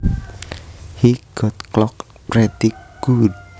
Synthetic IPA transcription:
hiɡ̥ɔt̪̚klɔk | pɾet̪ikɡ̥ud

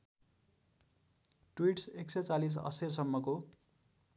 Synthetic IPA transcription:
ʈwiʈseksʌjt͡salis̬ʌ̰sersʌmːʌko

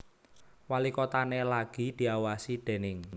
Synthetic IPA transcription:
walikɔt̪anelaɡ̥i̤d̪̥i̤awasiɖ̥e̤nɪŋ

